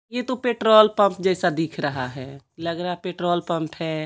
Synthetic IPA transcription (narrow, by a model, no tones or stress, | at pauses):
jet̪opeːʈɾoːlpə̃mpd͡ʒɛːsad̪iːkʰɾəɦa̰ɦɛː | ləɡɾapeːʈɾoːlpə̃mpɦɛː